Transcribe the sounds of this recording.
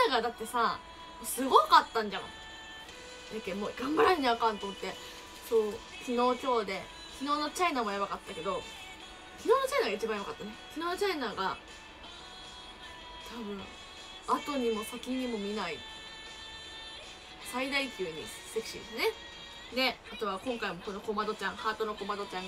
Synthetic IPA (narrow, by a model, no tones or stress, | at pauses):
aɡad̪at̪ːe̞sa | mosɨɡo̞kat̪ːãɲ̟d͡ʑano̰ | d̪akʲːemoːɡãmbaɾaɲʲɲiakãnt̪omo̞t̪ːe̞ | soː | kʲino̞ːt͡ɕʲo̞ːd̪e̞ | kʲino̞ːnot͡ɕainaːmoaβakat̪ːake̞d̪o̞ | kʲinoːnot͡ɕainaɡait͡ɕibãjoakat̪ːanekʲino̞ːt͡ɕainaːɡa | t̪ʰabɯ̟̃ɰ̃ | at̪o̞ɲ̟imo̞sakʲiɲ̟imo̞mʲinai | said̪aikʲɨːɲ̟ḭ̥ | sekʲi̥ɕid̪esɨne̞ | d̪e̞at̪o̞β̞akõ̞ŋkaimo̞ko̞no̞ko̞mad̪o̞t͡ɕãɰ̃haːt̪onoko̞mad̪o̞t͡ɕãŋ